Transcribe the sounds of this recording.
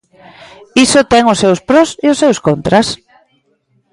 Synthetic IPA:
isʊt̪ɛŋʊsːewspɾɔseʊsːewskont̪ɾas

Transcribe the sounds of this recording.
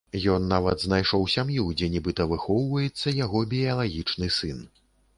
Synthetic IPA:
jɔnːavɐd̪znajʂɔwsʲamjud͡zʲɛnʲibɨt̪ɐvɨxɔwvɐjɛt̪sːɐjaɣɔbʲiɐlˠaɣʲit͡ʂnɨsɨn

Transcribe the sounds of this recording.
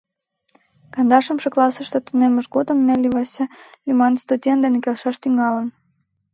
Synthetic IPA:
kɑnd̪ɑʃə̆mʃeklɑsəʃt̪et̪uneməʃɡod̪əmnælʲːiβɑsʲelʲymɑnst̪udʲent̪d̪enekelʃɑʃt̪yŋɑlən

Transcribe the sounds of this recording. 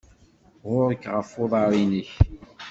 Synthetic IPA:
ʁʊɾˤkːʁəfoðˤɑɾˤiniç

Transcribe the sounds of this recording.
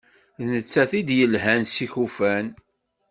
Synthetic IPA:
ðnət͡sːæθid̪jəlɦænsiçufæn

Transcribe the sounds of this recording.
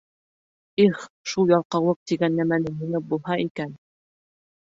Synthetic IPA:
iχʃulˠjɑlˠqɑwɤq̚t̪iɡænːæmænɘmĭnɘp̚bulˠhɑikæn

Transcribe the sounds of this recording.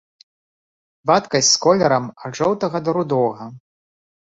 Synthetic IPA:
vat̪kɐsʲskɔlʲɛɾɐmɐʐɔwt̪ɐɣɐd̪ɐɾud̪ɔɣɐ

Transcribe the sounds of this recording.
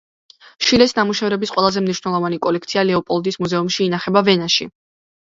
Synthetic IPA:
ʃilɛsnamuʃɛvɾɛbisqʼwɛlˠazɛmniʃwnɛlˠɔvanikʼɔlɛk̚ʰt̪sʰialɛɔpʼɔlˠd̪ismuzɛumʃiːnaχɛbavɛnaʃḭ

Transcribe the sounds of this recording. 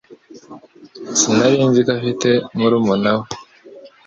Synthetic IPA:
sinaβiːnzikafitemuɾumunawe

